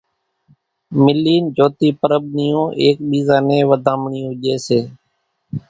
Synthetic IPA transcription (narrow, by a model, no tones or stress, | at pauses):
mɪlːiːnd͡ʒoːt̪iːpəɾəbniːjõːʔeːk̚ɓiːzaːnẽːʋəd̪ʱãːmɳiːɦʊʄeːseː